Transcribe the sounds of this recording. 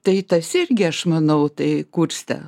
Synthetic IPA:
t̪ɐɪt̪ɐsɪrʲɡʲɪɐʃmɐnɐʊt̪ɐɪkuːrʲst̪ɐ̰

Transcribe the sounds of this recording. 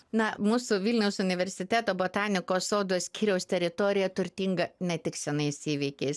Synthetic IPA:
nɐmuːsʊʋʲɪlʲnʲɛʊsʊnʲɪʋʲɛɾʲsʲɪt̪ʲæːt̪oːboːt̪ɑːnʲɪkoːsoːd̪osʲkʲiːɾʲɛʊst̪ʲɛɾʲɪt̪oːɾʲɪjɛt̪ʊɾʲt̪ʲiːŋɡɐnʲɛt̪ʲɪksʲɛnɐɪsiːʋʲɪːkʲɛɪs

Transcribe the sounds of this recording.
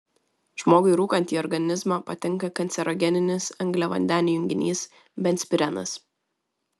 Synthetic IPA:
ʒ̥moːɡʊɪɾuːkɐnʲt̪ʲiːɔɾɡɐnʲɪzmɑːpɐt̪ʲɪŋˑkɐkɐnʲtsʲɛɾɔɡʲɛnʲɪnʲɪsɐŋʲɡlʲɛʋɐ̰nʲd̪ʲæːnʲɪjʊŋʲɡʲɪnʲiːs | bʲɛntsʲpʲɪɾʲɛnɐ̰s

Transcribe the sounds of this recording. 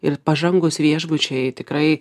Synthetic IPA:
ɪrpɐʒɐŋɡʊsʋʲiɛʒbʊt͡ʃʲɛɪt̪ʲɪkɾɐɪ

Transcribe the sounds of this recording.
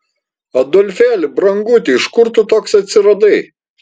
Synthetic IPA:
ɐd̪ɔlʲfʲæːlʲɪbɾɐŋɡut̪ʲɪɪʃkʊɾt̪ʊt̪oːksɐt̪ʲsʲɪɾɐd̪ɐɪ

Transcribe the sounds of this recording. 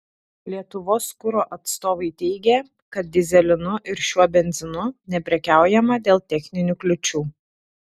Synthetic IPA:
lʲiɛt̪ʊʋoːskʊɾoːʔɐt̪st̪oːʋɐɪt̪ʲɛɪɡʲe | kɐt̪̚d̪ʲɪzʲɛlʲɪnʊʔɪɾʃʲuɔbʲɛnʲzʲɪnʊnʲɛpʲɾʲɛkʲæˑʊjɛmɐd̪ʲeːlˠt̪ʲɛxʲnʲɪnʲuklʲʊt͡ʃʲuː

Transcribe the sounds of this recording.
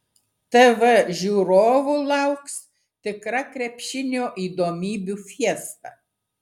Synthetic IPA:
t̪ɛʋɛʒʲuːɾoːʋuːlˠɐʊks | t̪ʲɪkɾɐkɾʲɛpʲʃʲɪnʲoːʔiːd̪oːmʲiːbʲufʲiɛst̪ɑ̰

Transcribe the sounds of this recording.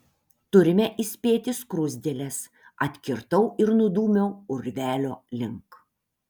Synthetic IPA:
t̪ʊɾʲɪmʲɛʔɪsʲpʲeːt̪ʲɪskɾʊzʲd̪ʲelʲɛs | ɐt̪ʲkʲɪɾt̪ɐʊʔɪɾnʊd̪uːmʲɛʊʊɾʲʋʲæːlʲoːlʲɪŋk

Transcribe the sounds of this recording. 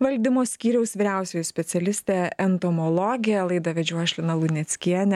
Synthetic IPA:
ʋɐlʲd̪ʲɪmoːsʲkʲiːɾʲɛʊsʋʲiɪɾʲæˑʊsʲoːjʊsʲpʲɛsʲɛlʲɪsʲt̪ʲeːɛnt̪omɔlˠɔɡʲɪjɛlˠɐɪd̪ɐʋʲɛd͡ʒʲuɔʃʲlʲɪnɐlˠʊnʲɛt̪sʲkʲiɛnʲɛ

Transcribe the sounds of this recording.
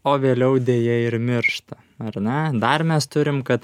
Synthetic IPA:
oːʋʲeːlʲɛʊd̪ʲeːjɛɪɾmʲɪɾʃt̪ɐ | ɐrnʲɛd̪ɐrmʲɛst̪ʊɾʲɪmkɐt̪

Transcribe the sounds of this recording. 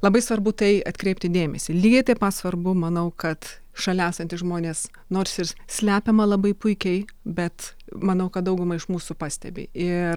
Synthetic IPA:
lˠɐbɐɪsʋɐrbʊt̪ɐɪɐt̪ʲkɾʲeɪpʲt̪ʲɪd̪ʲeːmʲɛsʲɪlʲiɡɐɪt̪ɐɪpɑt̪sʋɐrbʊmɐnɐʊkɐt̪ | ʃɐlʲæːsɐnʲt̪ʲɪʒmoːnʲeːs | noːrsɪrsʲlʲæːpʲɛmɐlˠɐbɐɪpʊɪkʲɛɪ | bʲɛt̪ | mɐnɐʊkɐt̪̚d̪ɐʊɡʊmɐɪʃmuːsʊpɑsʲt̪ʲɛ̰bʲɪ̰ːʔɪr

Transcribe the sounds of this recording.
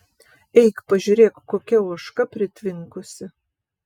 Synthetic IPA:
ɛɪkpɐʒʲuɾʲeːkkːoːkʲɛuɔʃkɐpʲɾʲɪt̪ʲʋʲɪŋkʊsʲɪ

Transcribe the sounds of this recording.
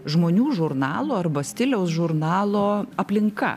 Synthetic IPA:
ʒmoːnʲuːʒʊɾnɑːlˠoːɐɾbɐsʲt̪ʲɪlʲɛʊsʒʊɾnɑːlˠoːɐpʲlʲɪŋkɐ̰

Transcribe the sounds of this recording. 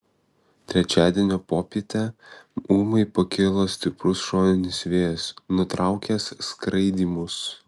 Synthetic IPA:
t̪ʲɾʲɛt͡ʃʲæːd̪ʲiɛnʲoːpoːpʲiɛt̪ʲɛuːmɐɪpɐkʲɪlˠoːsʲt̪ʲɪpɾʊsʃoːnʲɪnʲɪsʋʲeːjɛsnʊt̪ɾɑˑʊkʲeːsːkɾɐɪd̪ʲiːmʊs

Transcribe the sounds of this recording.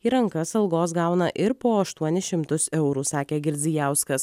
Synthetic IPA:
iːɾɐŋkɐsɐlˠɡoːs̬ɡɑˑʊnɐʔɪɾpoːɐʃt̪uɔnʲɪʃʲɪmt̪ʊsɛʊɾuːsɑːkʲeːɡʲɪɾʲd̪zʲijæˑʊskɐs

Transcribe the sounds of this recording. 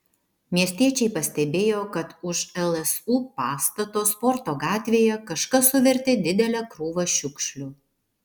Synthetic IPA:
mʲiɛsʲt̪ʲiɛt͡ʃʲɛɪpɐsʲt̪ʲɛbʲeːjoːkɐt̪ʊʃɛlˠɛsuːpɑːst̪ɐt̪oːspɔɾt̪oːɡɑːt̪ʲʋʲeːjɛkɐʃkɐsʊʋʲɛɾʲt̪ʲɪd̪ʲɪd̪ʲɛlʲɛkɾuːʋɐʃʲʊkʃʲlʲʊ

